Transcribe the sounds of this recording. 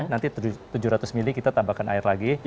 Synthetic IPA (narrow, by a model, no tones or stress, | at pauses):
nant̪it̪ud͡ʒʊɾat̪ʊsmilikit̪at̪abakana̰ɪrlaɡi